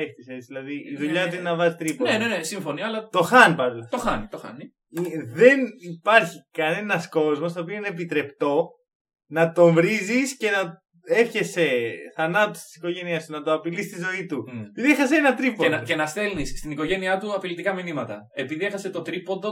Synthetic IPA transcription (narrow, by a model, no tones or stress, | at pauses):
eftiset͡siðilɐðiiðuʎɐt̪uinɐvɐzit̪ɾiponenenesiɱfo̞niɐlɐt̪o̞xɐnipɐlɐt̪oxɐnit̪oxɐ̰ni | iðe̞nipɐɾçikɐne̞nɐsko̞zmo̞st̪oːpioineːp̬it̪ɾe̞pt̪o̞ | nɐt̪o̞ɱvɾizisce̞nɐ | e̞fçe̞seθɐnɐt̪o̥st̪i̥si̥ko̞ʝe̞niɐst̪unɐt̪o̞ɐpilist̪izo̞it̪upiðiexɐseenɐt̪ɾipoecenɐst̪e̞lnisst̪inikoʝe̞niɐt̪uɐpilit̪ikɐminimɐt̪ɐ̰ | epiðie̞xɐse̞t̪o̞t̪ɾipond̪o